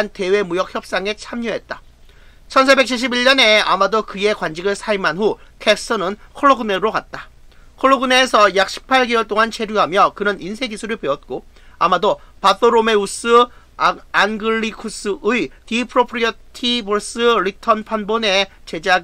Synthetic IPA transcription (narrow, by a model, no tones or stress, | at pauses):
nte̞we̞mujʌk̚çjʌp̚s͈aŋe̞t͡ɕʰamɲuɦe̞t̚t͈a | t͡ɕʰʌnsʰabe̞k̚t͡ɕʰiɭɕ̬͈ʰibiɭɲʌne̞amadokɯe̞kwand͡ʑiɡɯɭsʰaimanɦukʰek̚s͈ɯnɯnkʰoɭːoɡɯneɾokat̚t͈akʰoɭːoɡɯne̞ːsʰʌjak̚ɕ͈ʰi̥pʰaɭɡiwʌɭt͈oŋant͡ɕʰe̞ɾjuɦamjʌkɯɾʌninsʰe̞ɡisʰuɾɯɭpeʌt̚k͈o | amadopaθ͈oɾome̞us͈ɯ | anɡɯɭːikʰus͈ɯɯitipʰɯɾopʰɾiʌtʰiboɭs͈ɯɾitʰʌnpʰanbone̞t͡ɕe̞d͡ʑa